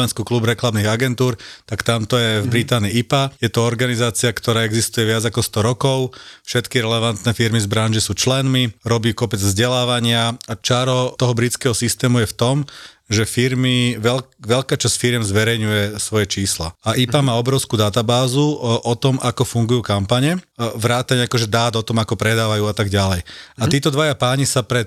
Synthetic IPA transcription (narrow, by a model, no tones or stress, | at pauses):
ɛnskuklubɾɛklamniɣaɡɛnt̪uːɾt̪akt̪amt̪ɔjɛvbɾit̪aːniiipajɛt̪ɔɔɾɡanizaːt͡siakt̪ɔɾaːɛɡzist̪ujɛʋɪad͡zakɔst̪ɔɾɔkɔʊfʃɛt̪kiɾɛlɛʋant̪nɛfiɾmizbɾanʒisuːt͡ʃlɛnmiɾɔbiuːkɔpɛd͡zvzɟɛlaːʋaɲɪaat͡ʃaɾɔt̪ɔɦɔbɾit͡skɛːɦɔsist̪ɛːmujɛft̪ɔm | ʒɛfiɾmiʋɛʋɛʎkaːt͡ʃasfiɾɪjɛmzʋɛɾɛjɲujɛsʋɔjɛt͡ʃiːsla̰aʔipamaːɔbɾɔʊskuːd̪at̪abaːzuʔɔt̪ɔmʔakɔfuŋɡujuːkampaɲɛʋɾaːt̪aɲɛakɔʒɛd̪aːd̪ɔt̪ɔmakɔpɾɛd̪aːʋajuːat̪aɡɟalɛjat̪iːt̪ɔd̪ʋajapaːɲisapɾɛ